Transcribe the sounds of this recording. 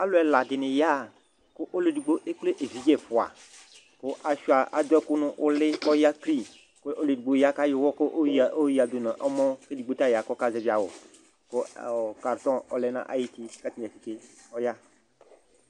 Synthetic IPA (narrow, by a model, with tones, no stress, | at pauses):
a˦lʊ˦ɛ˨la˨dɪ˨nɪ˨ja˦˨ | kʊ˦ʔo˦le˨di˨ɡ͡bo˦ʔe˦k͡ple˦ʔe˨vi˨˦d͡ʒɛ˦fʊ˨a̰˨ | kʊ˦ʔa˨ʃu˦a˨a˨d̪ɛ˦kʊ˦nʊ̃˦ʔʊ˦lɪ˦ɔ˦ja˦kli˦ | ko˦ʔo˦le˨di˨ɡ͡bo˨˦ja˦ka˦jɪ˨wɔ˦kʊ˦ʔo˦ji˦a˨d̪o˨nã˨ʔɔ˦mɔ̃˦ke˦di˨ɡ͡bo˦t̪a˦ja˨kɔ˦ka˦zɛ˨˦vi˨a˨wʊ̰˨ | kʊ˦˨ka˨ɾt̪ɔ̃˦ɔ˨lɛ˦nã̰˦ʔa̰˨ji˦ti˦ka˦tɛ˨fi˨ke˦ | ɔ˦ja˦